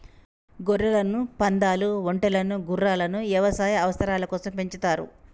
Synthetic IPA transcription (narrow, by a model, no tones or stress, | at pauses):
ɡoɾːɐlɐnupɐnd̪aːluoɳʈɐlɐnuɡurːaːlɐnuʋjɐʋɐsaːjɐɐʋɐsɐɾaːlɐkɔːsɐmpe̞ɲt͡ʃut̪aːɾṵ